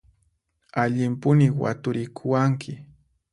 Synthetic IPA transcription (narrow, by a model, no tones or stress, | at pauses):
aʎɪmpʊnɪwa̰t̪ʊɾɪkʰʊwaŋkʰɪ